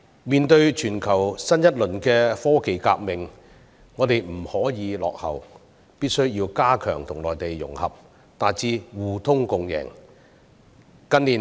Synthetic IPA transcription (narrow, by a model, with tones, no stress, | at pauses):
miː˨nt̪ɵ˧ɥt͡ʃʰyː˨˩nkʰɐ˨˩wsɐ˥njɐ˥t̚lɵ˨˩nkɛː˧fɔː˥ke˨jka̰ː˧k̚mɪ˨ŋ | ŋɔː˨˧t̪e˨jm̩˨˩hɔː˨˥jiː˨˧lɔ̰ː˨k̚hɐ̰˨˩w | piː˥t̚sɵ˥ɥjiː˧wkaː˥kʰœː˨˩ŋt̪ʰʊ˨˩ŋlɔː˨jt̪e˨jːʊ̰˨˩ŋhɐ̰˨p̚ | t̪aː˨jt͡siː˧wuː˨˩t̪ʰʊ˥ŋkʊ˨ŋjɛ̰ː˨˩ŋ | kɐ˥nliː˨˩